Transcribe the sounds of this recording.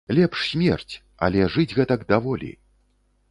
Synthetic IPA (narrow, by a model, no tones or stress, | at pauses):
lʲɛpʂsʲmʲɛrt͡sʲ | ɐ̰lʲɛʐɨd͡zʲɣɛt̪ɐɡd̪avɔlʲḭ